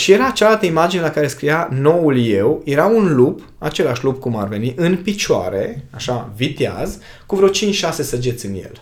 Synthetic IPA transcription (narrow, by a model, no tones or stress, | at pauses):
ʃije̞ɾaːt͡ʃalalt̪əimad͡ʒinelakaɾe̞skɾijano̞ulje̞wje̞ɾaunlup | at͡ʃe̞laʃlupkuma̰rve̞niʔɨnpit͡ʃoa̰ɾe̞aʃavit̪ea̰z | kuvɾeot͡ʃint͡ʃʃase̞səd͡ʒet̪sʲɨnjḛl